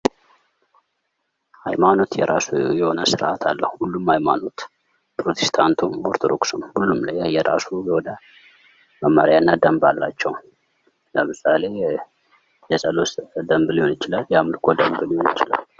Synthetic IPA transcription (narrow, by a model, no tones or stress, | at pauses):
hajmano̞t̪jɛɾʔasujɛho̞nəsɨɾʔat̪ʰalːəhuhulːumhajma̰no̞t̪ | pɾot̪ʰest̪ʰant̪ʰumoɾt̪ʰod̪o̞̰ksomhulːumlajajɛɾasujwod̪ə | məmːa̰ɾjanːəd̪əmbalːat͡ʃːɛw | ləmɨsale̞ | jɛsʼəlosd̪əmbɨlijonjɪt͡ʃɪlaljamɨlkʰo̞d̪əmbɨlhonjɪt͡ʃɪla̰l